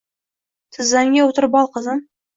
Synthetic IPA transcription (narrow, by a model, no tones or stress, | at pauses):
t̪ʰɪzːæŋɡʲewot̪əɾbɑlˠqəzəm